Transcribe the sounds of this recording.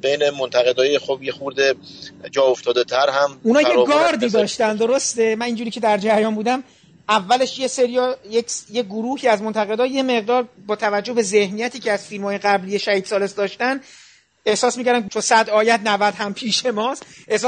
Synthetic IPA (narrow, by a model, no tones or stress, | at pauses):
bejnemont̪ʰæɣed̪ɒːjexobjexuɾd̪e | d͡ʒɒːoft̪ɒːd̪et̪ʰæɾhæmunɒːjeɡɒːɾd̪iːd̪ɒːʃt̪ænd̪o̞ɾo̞st̪e̞mæniːnd͡ʒuɾiːcʰe̞d̪æɾd͡ʒæɾjɒːnbuːd̪æm | ævːæle̞ʃjeseɾijɒjekjeɡoɾuːhiːæzmo̞nt̪ʰæɣe̞d̪ɒːje̞me̞ɣd̪ɒːɾbɒːt̪ʰævæd͡ʒːohbe̞ze̞hnijæt̪iːcʰeæz̥filmhɒːje̞ɣæblije̞ʃæhiːd̪̥sɒːlesd̪ɒːʃt̪æn | e̞hsɒːsmiːcʰæɾd̪æmet͡ʃʰonsæd̪ɒːjæd̪̚nævæd̪hæmpʰiːʃe̞mɒːst̪ʔehs